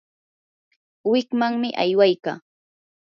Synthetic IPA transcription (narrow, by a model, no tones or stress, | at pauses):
wɪkmaŋmɪʔa̰jwajkaː